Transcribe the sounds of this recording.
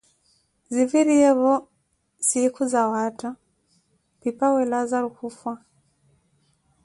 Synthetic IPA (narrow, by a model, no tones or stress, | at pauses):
ziviɾiɛβɔ | sikuzawata | pipawɛlazaɾukufwa